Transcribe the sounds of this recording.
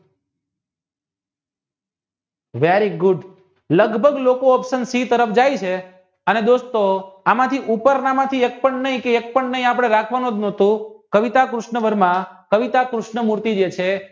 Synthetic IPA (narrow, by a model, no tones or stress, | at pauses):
ʋeɾiɡʊɖ | ləɡbʱəɡlokoəpsənsit̪əɾəfd͡ʒajt͡ʃʰe | əned̪ost̪oamãt̪ʰiʔupəɾnamãt̪ʰiek̚pəɳnəɦĩkeek̚pəɳnəɦĩap̬ɽ̃eɾakʰʋanũd̪noɦt̪ũkəʋit̪akɾʊʃɳəʋəɾmãkəʋit̪akɾʊʃɳəmuɾt̪id͡ʒet͡ʃʰe